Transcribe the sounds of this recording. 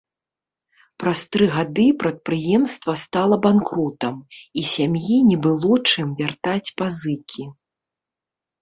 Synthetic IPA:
pɾast̪ɾɨɣad̪ɨpɾɐt̪̚pɾɨjɛmst̪vɐst̪alˠɐbankɾɔt̪ɐmisʲamjinʲɛbɨlˠɔt͡ʂɨmvʲart̪at͡sʲpazɨkʲʰi

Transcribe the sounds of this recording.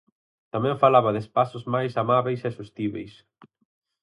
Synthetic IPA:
t̪amɛ̃ɱfalaβɐðɪespasʊzmajsamaβejsɛsust̪iβḛjs

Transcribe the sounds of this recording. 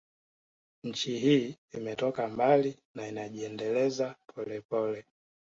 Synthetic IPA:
ɲ̩t͡ʃiɦiː | imɛtɔkambali | nainaʄiɛndɛlɛzapʰɔlɛpɔlɛ

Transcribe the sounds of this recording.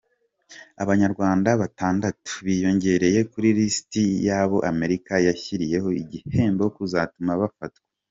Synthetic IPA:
a̰βaɲaɾɡwaːndaβataːndatu̥βijo̞ɲɟe̞ɾe̞je̞kuɾiɾistijaːβo̞ʔame̞ɾikajaçiɾije̞ɦo̞iɟihe̞ːmbokuzatumaβafat̚we̥

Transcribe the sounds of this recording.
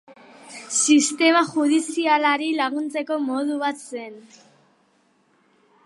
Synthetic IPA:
sist̪e̞maʝuð̞isialaɾilaɣ̞unt͡se̞ko̞mo̞ð̞uβat̪se̞n

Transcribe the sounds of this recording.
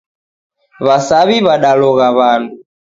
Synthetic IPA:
βasaβiβaɗalɔɣaβandu

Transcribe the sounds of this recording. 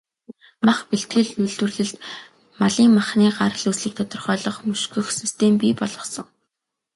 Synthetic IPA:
maχpiɬt̪ɡɘ̆ɮuɮt̪wɘ̆rɮɘ̆ɮt̪ | maɮiːŋmaχniːɢar̆ɮɵsɮɘ̆k̚t̪ʰɔt̪ɞ̆rχœːɮɞ̆χmɵʃɡɵ̆xsist̪ʰempʲiːpɔɮɞ̆sɞ̆ŋ

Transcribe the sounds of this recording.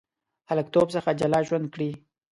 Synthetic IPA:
haləkt̪obsəxad͡ʒalɑʒwand̪̚kɽi

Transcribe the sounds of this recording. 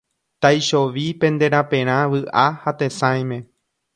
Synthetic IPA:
t̪ajʃo̞ʋipẽ̞nd̪e̞ɾ̃apẽ̞ɾ̃ãʋɨʔahat̪e̞sãj̃mẽ̞

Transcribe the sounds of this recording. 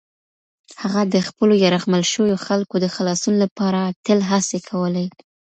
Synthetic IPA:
haɣad̪əxpəlojaɾaɣmalʃəwjoxalkod̪əxalɑsunolapɑɾat̪əlɦasekʰawəlaj

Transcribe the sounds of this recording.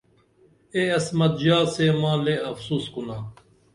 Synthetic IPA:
eɐsmɐt̪̚d͡ʑaːseːmãːleɐfsuːskunaː

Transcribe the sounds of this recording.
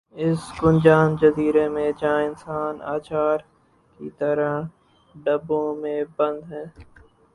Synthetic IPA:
ɪsɡʊnd͡ʒaːnd͡ʒɐziːɾemẽd͡ʒãːɪnsaːna̰ːt͡ʃaːɾ | kit̪ɐɾə | ɖɐbõmẽbɐ̃nd̪ɦɛ̃ː

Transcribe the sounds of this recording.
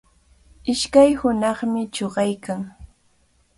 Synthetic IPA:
ɪʃkajhʊnɑχmɪt͡ʃoɢɑjkaŋ

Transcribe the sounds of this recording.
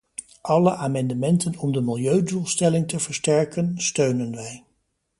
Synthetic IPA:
ʔɑləʔaːmɑndəmɛntənɔmdəmɪlˠjøɥduːlˠstɛlɪŋtəv̥əɹstɛɹkənstøɥnənʋɛj

